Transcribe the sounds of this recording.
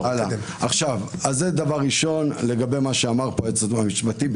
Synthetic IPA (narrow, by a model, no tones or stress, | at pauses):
ala | aχʃavazed̪avaʁːiʃo̞nle̞ɡabe̞jmaʃeamaʁpoet͡sadamiʃbati